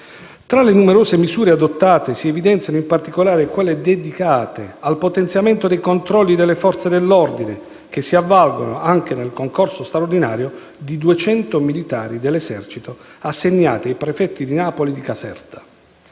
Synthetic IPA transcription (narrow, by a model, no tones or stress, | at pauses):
t̪ɾalenumeɾoːsemizuːɾead̪ot̪ːaːt̪esiɛvid̪ɛnt̪sjanoimpart̪ikolaːɾekwelːed̪ed̪ikaːt̪ḛalpot̪ɛnt̪sjament̪od̪ejkont̪ɾɔlːid̪elːefɔrt̪sed̪elːord̪ine | k̟esːiavːalɡo̰no̰aŋk̟enelkoŋkorsost̪ɾaord̪inaːɾjo | d̪id̪uet͡ʃɛnt̪omilit̪a̰ːɾid̪elːezɛrt͡ʃit̪oasːeɲːa̰ːt̪eajpɾefɛt̪ːid̪inaːpolid̪ikasɛ̰rt̪ḁ